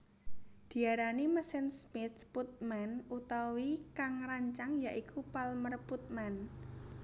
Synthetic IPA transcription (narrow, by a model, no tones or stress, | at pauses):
d̪̥i̤aɾaniməsɪnsmɪt̪put̪̚manut̪awikaŋɾaɲt͡ʃaŋjaʔikʰupalmərput̪̚man